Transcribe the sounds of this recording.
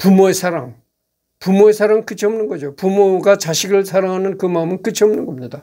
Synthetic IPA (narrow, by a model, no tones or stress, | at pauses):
pumoesʰaɾaŋ | pumoe̞sʰaɾaŋkɯt͡ɕʰʌmnɯnɡʌd͡ʑopumoɡat͡ɕaɕʰiɡɯɭsʰaɾaŋɦanɯnkɯmaɯmɯnkɯt͡ɕʰiʌmnɯnɡʌmɲida